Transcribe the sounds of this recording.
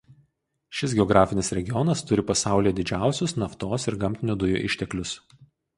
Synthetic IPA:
ʃʲɪsɡʲɛɔɡɾɑːfʲɪnʲɪsɾʲɛɡʲɪjɔnɐst̪ʊɾʲɪpɐsɑˑʊlʲijɛd̪ʲɪd͡ʒʲæˑʊsʲʊsnɐft̪oːsɪɾɡɐmʲt̪ʲɪnʲud̪ʊjṵːʔɪʃʲt̪ʲɛklʲʊs

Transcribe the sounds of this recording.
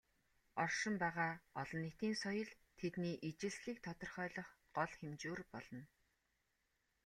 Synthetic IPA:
ɔrʃɪ̆mpæːʁaːɔɮɞ̆nːet̪iːnsɔjɞ̆ɮ | t̪ʰet̪niːʔit͡ɕɪ̆ɮsɮiːk̚t̪ʰɔt̪ɞ̆rχœːɮɞ̆χ | ɢ̥ɔɮxemt͡ɕuːrpɔɮ̥ɞ̆n

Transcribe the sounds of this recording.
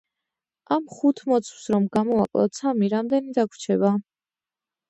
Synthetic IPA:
ʔamχut̪ʰmɔt̪sʰwsɾɔmɡamɔa̰kʼlˠa̰t̪sʰamiɾamd̪ɛnid̪akʰʷwt͡ʃʰɛba

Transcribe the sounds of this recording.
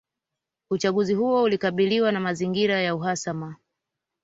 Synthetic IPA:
ut͡ʃaɠuzihuɔulikaɓiliwanamaziŋɡiɾajauɦasama

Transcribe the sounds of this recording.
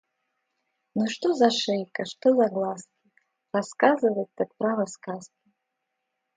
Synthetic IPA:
nuʂt̪ɔzɐʂɛjkɐʂt̪ɔzɐɡlˠaskʲi | raskazɨvɐt̪ːak̪̚pɾavɐskaskʲi

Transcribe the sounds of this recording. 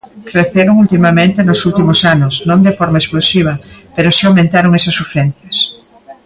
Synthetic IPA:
kreθeɾoŋult̪imamẽnt̪enosult̪imosanʊsnõnd̪efoɾmaesplosiβ̞ɐpeɾosawmẽnt̪aɾoŋɛsɐsːufeɾɛn̟θjɐs

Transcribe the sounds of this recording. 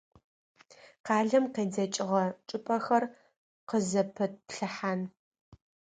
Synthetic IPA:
qɑːɮɐmqeːd͡zɐt͡ʃʼɪʁɐʈ͡ʂʼɨpʼɐxɐr | qəzɐpʰɨt̚pɬɨħan

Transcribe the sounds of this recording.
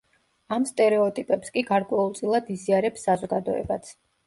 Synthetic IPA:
amst̪ʼɛɾɛɔt̪ʼipʼɛpskʼiɡaɾkʼwɛulˠt̪sʼilˠad̪iziaɾɛpsːazɔɡad̪ɔ̰ɛ̰bat̪sʰ

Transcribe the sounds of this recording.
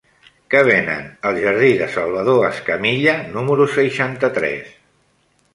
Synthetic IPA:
kəβ̞enə̰nəlˠʒəɾðiðəsəlˠβəðoəskəmiʎənuməɾusəjʃant̪ət̪ɾɛ̰s

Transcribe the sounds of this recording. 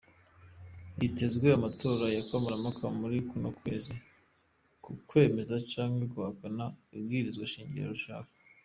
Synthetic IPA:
jite̞zɡwe̞amatʰo̞ːɾajakamuɾamakʰamuɾikunokwe̞̰ːzi | kukwe̞ːme̞zat͡ʃaːŋɡeɡuhakanaib̚ɡiːɾizɡwaʃiːɲɟiɾa̰ɾuʃa̰ːkḁ

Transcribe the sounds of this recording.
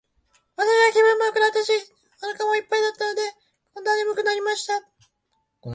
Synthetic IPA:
βat̪aɕiɡakʲibɯ̟̃mːoːkɯ̟ɾat̪ːaɕi | onakamo̞ipːaid̪at̪ːano̞d̪e̞ | kõnd̪anemɯ̟kɯ̟naɾʲimaɕi̥t̪a

